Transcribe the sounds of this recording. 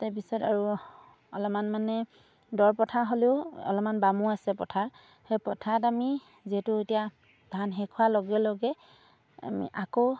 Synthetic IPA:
taɹp̬isɔta̰ɹu | ɔ̰lɔmanmanɛ | dɔɹpɔtʰaɦoleʊɔ̰lɔmanbamuasɛpɔtʰaɹ | hejpɔtʰatami | ziɛtʊetija | dʱanɦɛkʰʊwaloɡɛlɔɡɛ | a̰mḭʔako

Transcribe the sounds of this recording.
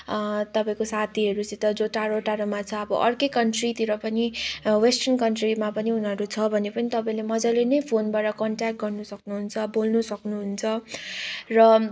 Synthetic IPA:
t̪ʌpãĩkosat̪ʰiɦʌɾut͡sĩt̪ʌd͡zoʈaɾoʈaɾomat͡sʰʌʌbʌ̰ʔʌrkʌkʌɳʈrit̪iɾʌpʌniwesʈʌnkʌɳʈrimapʌniunʌɾut͡sʰʌbʱʌnepʌnit̪ʌpãĩlemʌd͡zʌlenʌjpʰonbaʈʌkʌɳʈak̚ʈ̚ɡʌrnusʌknuɦunt͡sʰʌbolnusʌknuɦunt͡sʰʌ | rʌ

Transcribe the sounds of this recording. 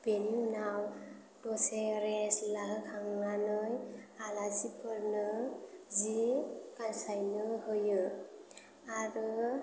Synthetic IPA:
b̥eniunaw | dɔseɾeslaɦɯkʰaŋnanɯjalazipʰɯɾnɯzikansajnɯhɯjɯ | aɾɯ

